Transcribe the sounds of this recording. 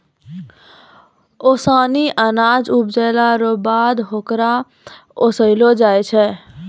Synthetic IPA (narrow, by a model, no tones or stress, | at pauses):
osaniʔənad͡ʒup̚d͡ʒəlaɾobad̪ɦokɾa | osəɪlod͡ʒajt͡ʃʰɛ